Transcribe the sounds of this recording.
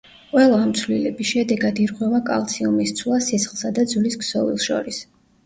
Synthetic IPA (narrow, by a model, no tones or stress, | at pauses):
qʼwɛlˠaːmt̪sʰvlilɛbisʃɛd̪ɛɡad̪iɾʁwɛvakʼa̰lˠt̪sʰiumist̪sʰwlˠasisχlˠsad̪ad̪zulisksɔvḭlˠʃɔ̰ɾis